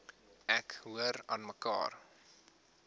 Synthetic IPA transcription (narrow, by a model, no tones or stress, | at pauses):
ʔɛkɦuəɾɑnməkɑ̰ːr